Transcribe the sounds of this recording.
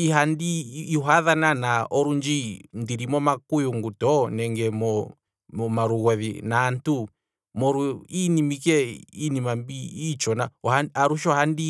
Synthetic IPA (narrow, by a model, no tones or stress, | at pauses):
iɦandiːɦwaðananaʔɔɾund͡ʒindiɾimɔmakujuŋɡutɔnɛŋɡɛmɔ | mɔmaɾuɣɔðḭnantu | mɔɾuinimikɛinimambiːt͡ʃɔnaɔaaɾuʃɔhandi